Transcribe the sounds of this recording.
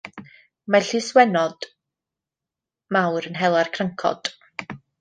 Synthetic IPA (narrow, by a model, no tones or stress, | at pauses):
maɬiswɛnɔd̥ | mawɾənɦɛlˠarkʰrəŋkʰɔ̰d̥